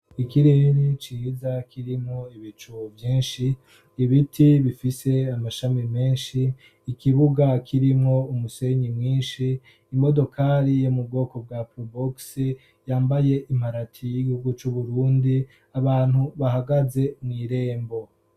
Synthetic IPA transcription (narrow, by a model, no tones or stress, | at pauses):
ikiɾeɾit͡ʃizakʰiɾimŋoiβit͡ʃuvjiːnʃiː | βitʰiβifise̞amaʃamime̞ːnʃiː | kiβuɡakʰiɾimŋo̞umuse̞ɲimŋiːnʃiː | mo̞do̞kʰaɾijomub̚ɡo̞ːko̞b̚ɡapoboksi | jaːmbaje̞ʔim̥aɾatʰijiɡihuɡut͡ʃuβuɾuːndi | aβaːn̥huβahaɡaze̞mŋiːɾe̞ːmbo̞